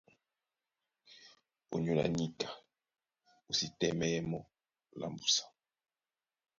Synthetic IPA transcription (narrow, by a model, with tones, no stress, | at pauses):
o˨ɲu˨la̰˨ɲi˦kḁ˨ | u˨si˦tɛ˦mɛ˦jɛ˦mɔ˦ | la̰˨mbu˨sḁ˨